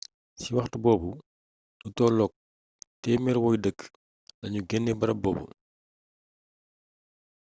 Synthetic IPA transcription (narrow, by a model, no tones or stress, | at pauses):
siwɐxtbɔːbu | nutɔːlɔk̚ | tɛmɛɾwɔjdəkː | lɐɲuɡɛnːɛbɐɾɐbɔ̰ːbṵ